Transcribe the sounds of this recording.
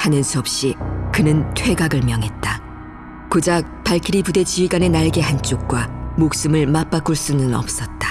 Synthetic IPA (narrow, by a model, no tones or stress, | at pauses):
hanɯnsʰuʌp̚ɕ͈ikɯnɯntʰwe̞ɡaɡɯɭmjʌŋɦe̞t̚t͈a | kod͡ʑak̚p͈aɭkʰiɾipude̞t͡ɕiɥiɡane̞naɭɡe̞hant͡ɕ͈ok̚k͈wamok̚s͈ɯmɯɭmap͈ak͈uɭs͈unɯnʌ̰p̚s͈ʌt̚t͈ḁ